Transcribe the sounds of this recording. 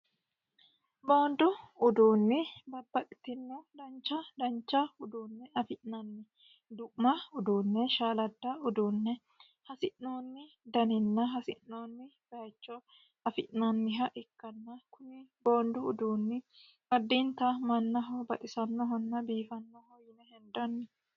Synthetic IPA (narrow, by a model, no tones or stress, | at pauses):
bo̞ːnd̪ʊʊd̪uːnːɪbɐbːɐkʼɪt̪ɪnːɔd̪ɐnt͡ʃːɐd̪ɐnt͡ʃːɐʊd̪uːnːɛɐfɪʔnɐnːɪ | d̪ʊʔmɐʊd̪uːnːɛʃaːlɐd̪ːɐʊd̪uːnːɛ | hɐsɪʔno̞ːnːɪ | d̪ɐnɪnːɐɦɐsɪʔnoːnːɪb̥ɐt͡ʃːɔ | ɐfɪʔnɐnːɪɦɐʔɪkːɐnːɐkʊnɪbo̞ːnd̪ʊʊd̪uːnːɪ | mɐd̪ːiːnt̪ɐmɐnːɐɦɔbɐʔɪsɐnːɔɦɔnːɐbiːfɐnːɔhɔjɪnɛhɛnd̪ɐnːɪ